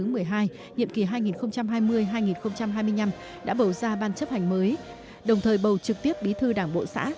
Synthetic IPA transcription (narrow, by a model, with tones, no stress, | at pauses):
ɨ˨˦mɨ˨˩əjɦaː˧j | ɲḭ˧˨əmki˧˩ɦaː˧jŋi˨˩nxə˧wŋ͡mt͡ɕa˧mɦaː˧jmɨ˧əjɦaː˧jŋi˨˩nxə˧wŋ͡mt͡ɕa˧mɦaː˧jmɨ˧əjɲa˧m | ɗa̰ː˧˥ɓə˨˩wzaː˧ɓaː˧nt͡ɕə˦˥p̚ha˨˩jŋ̟məː˨˦j | ɗə˨˩wŋ͡mt̪ʰəː˨˩jɓə˨˩wt͡ɕɨ˨˩k̚t̪i˦˥əp̚ɓi˨˦t̪ʰɨ˧ɗaː˧˩ŋɓo̰˧˨sa̰ː˧˥